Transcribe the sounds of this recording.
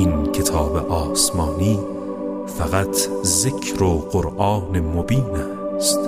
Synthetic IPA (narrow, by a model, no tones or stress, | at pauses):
inkʰe̞t̪ʰɒːbḛʔɒːsmɒːniː | fæɣæt̪ʰzekʰɾoɢoɾʔɒːnemobiːnæːst̪